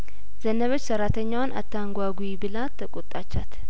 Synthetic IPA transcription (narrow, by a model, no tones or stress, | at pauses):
z̥ənəβo̞t͡ʃːsəɾat̪ʰəɲːawanʔa̰t̪ʰːaŋɡʷaɡuibɨlat̪ʰːəkʼot̪ʼːat͡ʃːat̪